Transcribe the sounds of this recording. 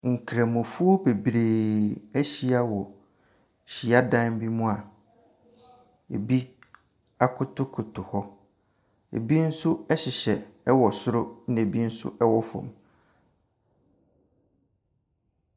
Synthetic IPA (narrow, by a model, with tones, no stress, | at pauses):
ŋ̩˨kʰɾa˨mʊ̃˨fu˦o˦be˨bɾe˨æ˦ɕi˦a˦wɔ˨ | ɕi˨a˦dã˦n˦bi˦mũ˦a˨ | ḛ˨bi˦ | a˦kʰʊ˦tʰʊ˦kʰʊ˨tʰʊ˨hɔ˦ | ḛ˨bi˦n̩˦sʊ˦ɛ˦ɕɪ˨ɕɛ˨ɛ˦wɔ˨sʊ˦ɾʊ˦nɪ̃˦e˨bi˦n̩˦sʊ̰˦ʔɛ˦wɔ˦fɔ̰̃˨m